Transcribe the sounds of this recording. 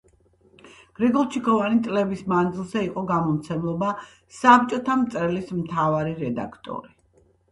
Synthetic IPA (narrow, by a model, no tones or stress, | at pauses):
ɡ̥ɾɛɡɔlˠt͡ʃʰikʰɔvanit̪sʼlɛbismand̪zilˠzɛiqʼɔɡamɔmt̪sʰɛmlˠɔba | sap̚t͡ʃʼɔt̪ʰamt̪sʼɛlismt̪ʰavaɾiɾɛd̪a̰kʰt̪ʼɔ̰ɾi